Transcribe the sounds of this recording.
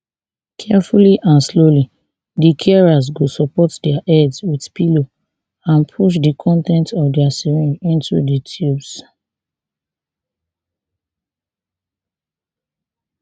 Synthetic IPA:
kʰɛfuliʔãnsloli | dikʰɛɛɹaz̬ɡosɔpɔtdɛaʔɛdswiθpilo | ãnpʰuʃ̬dikʰɔ̃ntɛ̃ntɔvdɛasiɹĩnĩntṵditʰjubs

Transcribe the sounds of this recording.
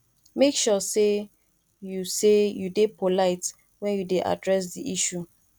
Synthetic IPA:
mekʃɔse | jusejudepʰolaɪt | wɛ̃njudeʔa̰dɹɛs̬diʔiʃu

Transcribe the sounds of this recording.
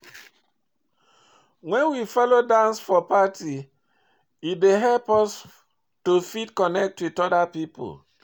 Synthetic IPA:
wɛ̃nwifɔlodãnsfɔpatʰi | ideɦɛlpɔs | tofitkɔnɛk̚twitɔdapipo̰l

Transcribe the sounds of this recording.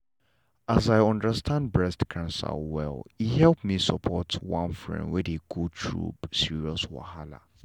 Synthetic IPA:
ʔazajɔ̃ndəstʰãndbɹɛstkʰãnsə̰lwɛ̰lihɛlˠpmisəpʰɔtʰwãnfɹɛ̰̃ndwɛdiɡutʰɹṵpsiɹiɔswa̰hala̰

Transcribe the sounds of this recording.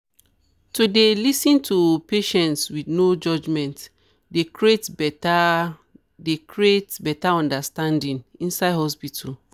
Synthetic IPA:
tudelisĩntʰupeʃɛ̃ntswidnod͡ʒɔd͡ʒmɛ̃nt | dekɹietb | dekɹietbɛtaɔ̃ndastãndĩnĩnsaɪdhɔspitul

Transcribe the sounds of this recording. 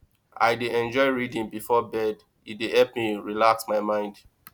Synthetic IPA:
a̰ɪdeʔɛ̃nd͡ʒɔɪɹidĩnbifɔbɛd | idehɛlpmiɹilaksmaɪmãɪ̃nd

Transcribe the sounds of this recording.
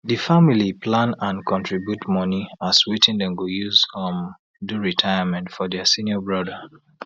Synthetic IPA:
difamilipʰlãnãnkʰɔ̃ntɹibjutmɔniaswitĩndɛ̃mɡojuzhɔ̃m | duɹitʰajamɛ̃ntfɔdɛsĩnjɔbɹɔdə

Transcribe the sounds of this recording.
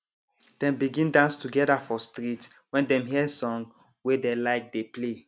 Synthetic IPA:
d̥ɛ̃mbiɡĩndãnstuɡɛdafɔstɾitwɛ̃ndɛ̃mɦiɛsɔ̃ŋ | wedelaɪk̚deple

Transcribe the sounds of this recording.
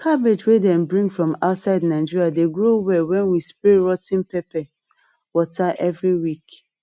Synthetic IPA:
kʰabed͡ʒwedɛ̃mbɹĩŋɡfɹɔ̃maʊtsaɪdnaɪd͡ʒiɾiadeɡɹowɛwɛ̃nwispɹeɹɔtĩnpɛpɛ | wɔtaʔɛvɹiwik

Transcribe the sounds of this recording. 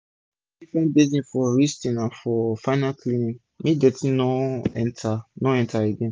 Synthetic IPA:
ifɛ̃nbezĩnfɔɹistĩnãnfɔfanakʰlinĩ | mĩdɛtĩnɔ̃ɛ̃ntʰanɔ̃ɛ̃ntʰaeɡɛ̃n

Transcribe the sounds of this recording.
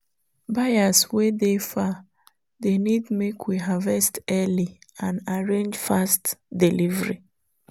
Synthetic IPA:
bajaswedefa | ðenidmekʰwiɦavɛstɛliãnaɹẽnd͡ʒfastdilivɾi

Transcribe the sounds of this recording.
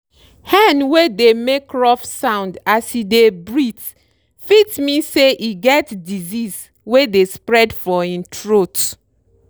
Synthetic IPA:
hanwedemekɹɔfsãʊ̃ndasidebɹit | fitmiseʔiɡɛtdizis | wedespɹɛdfɔĩntʰɹot

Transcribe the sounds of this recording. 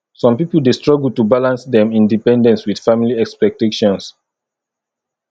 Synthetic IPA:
sɔ̃mpipəldestɹɔɡl̩tubalãnsdɛ̃mĩndipɛ̃ndɛ̃nswid̥familiɛkspɛk̚teʃɔ̃ns

